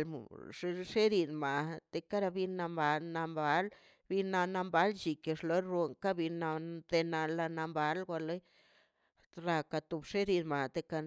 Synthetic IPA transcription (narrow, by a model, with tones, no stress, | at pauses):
l̰ʂe˦ʂe˦ɾi˧nma˨t̪e˧ka˦ɾa˧bi˧na˧mba˧na˧mba˦l | bi˧na˧na˧mba˦lt͡ʃi˨ke˧ʂlo˦ɾɾo˧ŋka˦bi˧na˧d̪e˧na˧la˧na˧mba˧˦lɡʷa˧le˦j | ɾa˧ka˧t̪u˧bʂe˦ɾi˧nma˨t̪e˧ka˦˧